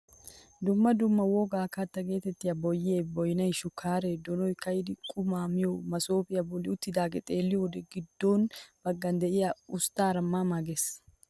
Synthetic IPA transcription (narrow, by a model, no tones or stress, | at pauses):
d̪ʊmːɐd̪ʊmːɐwoːɡaːkɐt̪ːɐɡe̞ːt̪ɛt̪ːɪjɐbɔjːeːbɔjnɐjʃʊkːaːɾɛd̪ɔnɔjkɐjd̪ɪkʼʊmaːmɪjɔmɐsoːpʼɪjɐbɔlːɪʊt̪ːɪd̪aːɡɛt̪ʼe̞ːlːɪjod̪ɛɡɪd̪ːoːnb̥ɐɡːɐnd̪ɛʔɪjɐʊst̪aːɾɐmːaːmaɡeːs